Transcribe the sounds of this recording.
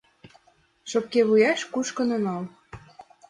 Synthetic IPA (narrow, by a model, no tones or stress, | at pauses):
ʃokkeβujɑʃkuʃkɤ̆nonɑl